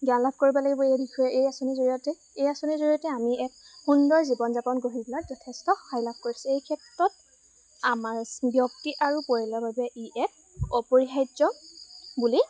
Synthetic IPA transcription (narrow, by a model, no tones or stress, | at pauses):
ɡalab̚ʱkoɹibɔlaɡɛbɔiɛbikʰɔjɛʔejasonizoɹijɔtɛ | ejasonizoɹijɔtɛamiɛk̚xundɔɹzibɔnzapɔnɡoɦiblatzɔtʰɛstɔxajlab̚ʱkoɹisɛejkʰɛtɹɔt̚ | amaɹbjɔktiʔaɹupoɹilɔbabɛʔiʔɛk̚ | ɔpoɹixajdzɔbuli